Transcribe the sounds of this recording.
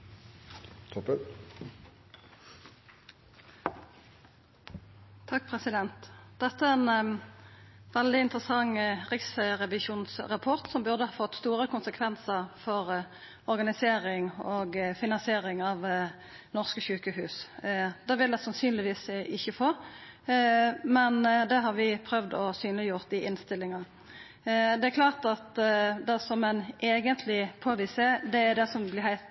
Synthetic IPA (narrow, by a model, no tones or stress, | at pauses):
t̪ʰɔpə | t̪ʰɑk̚ːpʰʁɛsɪd̪ɛnt̪d̪ɛt̪ːəæʁɛn | ʋɛld̪ɪɪnt̪ʁəsɑŋʁɪksʁɛʋɪʃuːnsʁɑpʰɔʁt̪sɔmbʉʁd̪əhɑːfɔt̪ːst̪uːʁəkʊnsəkʰʋɛnsəʁfɔʁ | ɔʁɡɑnɪseːʁɪŋoːɡfɪnɑnsɪeːɾɪŋɑʋ | nɔʁskəçʉːkəhʉːsd̪̥ɑʋɪld̪ɛsɑnsyːnlɪʋiːsɪçːəfoː | mɛnd̪ɛɦɑɾʋɪpʰɾœʋd̪ɔsyːnəlɪjʊʁt̪ɪʔɪnst̪ɪlːɪŋɑ | d̪ɛæɾklɑːʁt̪ɑt̪d̪ɛsɔmɛneːɡənt̪ʰlɪpʰoːʋised̪ɛæd̪ɛsɔmblɪhæɪt̪